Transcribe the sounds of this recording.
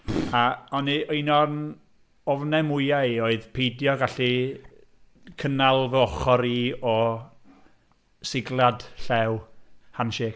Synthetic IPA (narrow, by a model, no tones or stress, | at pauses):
aɔniinɔrn | ɔvnɛmʊjaioːɨðpʰejdjɔɡaɬi | kʰənalˠvəɔχɔɾiːɔ | sɪɡlˠad̥ɬɛwhanʃeːk